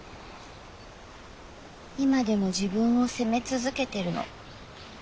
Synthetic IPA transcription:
imad̪e̞mo̞ʑibɯ̟̃ɰ̃o̞se̞me̞t͡sɨzɨke̞t̪e̞ɾɯ̟no̰

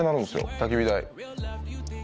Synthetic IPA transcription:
ẽnaɾɯ̟nesɨjo̰t̪ak̬ʲibʲid̪aḭ

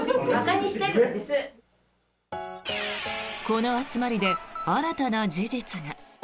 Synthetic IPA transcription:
kaɲiɕit̪ek | ko̞no̞at͡sɨmaɾʲid̪e̞aɾat̪anad͡ʑid͡ʑit͡sɨɡa

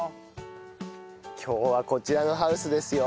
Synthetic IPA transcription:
kʲʰo̞ːβako̞t͡ɕiɾano̞ɦaɯ̟sɨd̪e̞sɨjo

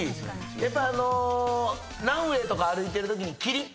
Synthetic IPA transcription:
i | japːaano̞ | nãɰ̃we̞ːt̪o̞kaːɾɯ̟it̪e̞ɾɯ̟t̪o̞k̬ʲiɲ̟ikʲiɾʲi

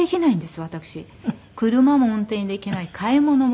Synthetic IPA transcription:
ekʲinaĩnd̪e̞sɨβat̪akɯ̟̥ɕi | kɯ̟ɾɯ̟mamoõnt̪ẽ̞nd̪e̞ikʲinaikʰaimo̞no̞m

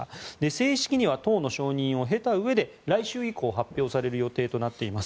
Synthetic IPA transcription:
d̪e̞se̞ːɕi̥kʲiɲ̟iβat̪o̞ːno̞ɕo̞ːɲ̟ĩɰ̃o̞ɦe̞t̪aɯ̟e̞d̪e̞ | ɾaiɕɨːiko̞ːɦapʲjo̞ːsaɾe̞ɾɯ̟jo̞t̪e̞ːt̪o̞nat̪ːe̞imas

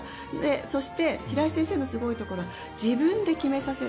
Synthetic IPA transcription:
eso̞ɕi̥t̪e̞çiɾaisẽse̞ːno̞sɨɡo̞it̪o̞ko̞ɾo̞a | d͡ʑibɯ̟̃nd̪e̞kʲime̞sase̞

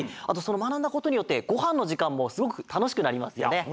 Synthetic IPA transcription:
a̰t̪o̞sono̞manãnd̪ako̞t̪o̞ɲ̟ijo̞t̪ːe̞ɡ̥o̞hãnːo̞ʑikãmːo̞sɨɡo̞kɯ̟t̪ano̞ɕ̬i̥kɯ̟naɾʲimasɨjo̰ne̞

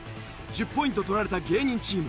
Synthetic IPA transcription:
d͡ʒipːoĩt̪̬ot̪oɾaɾet̪aɡeːɲʲĩnt͡ɕiːm

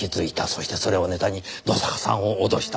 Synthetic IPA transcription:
izɨit̪asoɕi̥t̪e̞so̞ɾe̞one̞t̪aɲ̟inosakḁsã̰ɰ̃o̞ːd̪o̞ɕi̥t̪a

